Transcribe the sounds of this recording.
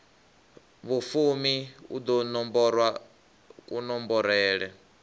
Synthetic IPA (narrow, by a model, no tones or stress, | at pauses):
βufumiṵd̪ɔnɔmbɔɾwa | kʼunɔmbɔɾɛːɺɛ